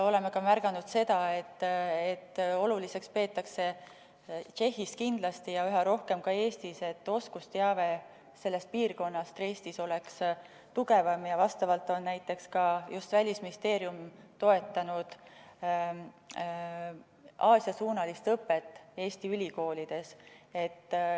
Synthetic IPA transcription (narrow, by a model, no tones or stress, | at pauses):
o̞le̞mekɑmærɡ̥ɑnud̪̥se̞d̪̥ɑe̞t̪ːet̪ːo̞lulise̞kspe̞ːt̪ːˑɑkse̞ | t͡ʃe̞hːist̪̚kind̪lɑst̪ijɑyɦɑɾo̞hke̞mkɑe̞ːst̪ise̞t̪ːˑo̞skust̪eɑve̞ | se̞lːe̞st̪̚piːrko̞nːɑst̪re̞ːst̪iso̞le̞ks | t̪uɡe̞vɑmjɑvɑst̪ɑvɑlt̪o̞nnæjt̪ˑːe̞kskɑjust̪vælʲisminist̪e̞ːɾjumt̪o̞e̞t̪ˑːɑnud̪̥ | ɑːsjɑsuːnɑlist̪ɤpːˑe̞t̪ˑːe̞ːst̪iylʲiko̞ːlʲid̪̥e̞se̞t̪ː